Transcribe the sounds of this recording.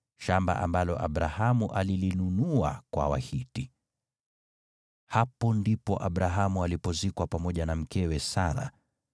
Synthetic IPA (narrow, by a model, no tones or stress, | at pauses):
ʃamba̰ʔambalɔʔaɓɾahamuʔalilinunua̰kwa̰wa̰hiti | hapɔndipɔʔaɓɾaɦamualipɔzikwapamɔʄanam̩kɛwɛsaɾa̰